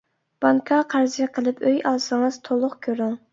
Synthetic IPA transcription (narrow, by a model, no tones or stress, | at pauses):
b̥ɑŋkʰɑqʰæɾzəqʰəlˠɨpʰøjɑlˠsɨŋɨz̥t̪ʰolˠʊqkʲʰøɾyŋ